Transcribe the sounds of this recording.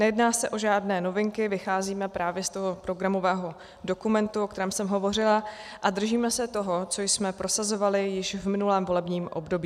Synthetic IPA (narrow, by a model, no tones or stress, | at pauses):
nɛjɛdnaːsɛʔo̞ʒaːdnɛːno̞vɪŋkɪvɪxaːziːmɛpɾaːvjɛst̪oɦopɾo̞ɡɾamo̞vɛːɦo̞ | do̞kumɛnt̪uok̚t̪ɛɾɛːmsɛmɦo̞vo̞r̝ɪlaʔad̪r̩ʒiːmɛsɛt̪o̞ɦo̞t͡so̞jsmɛpɾo̞sazo̞valɪjɪʃvmɪnulɛːmvo̞lɛbɲiːmʔo̞̰bdo̞biː